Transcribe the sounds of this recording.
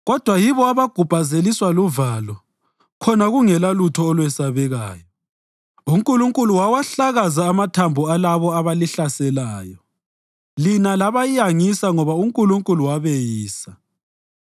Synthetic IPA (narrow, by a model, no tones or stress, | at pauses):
ɣɔd̥ʱwajiβɔaβaɡ̥ʱupazeliswaluvalɔ | kʰɔnaɣuŋɛlalutʰɔːlwɛsaβɛɣa̰ːjɔ | uŋkʼuluŋkʼuluwawaɬaɣazaːmatʰambʱualaβɔaβaliɬasɛlaːjɔ | linalaβajijaŋisaŋɔβauŋkʼuluŋkʼuluwaβɛjiːsa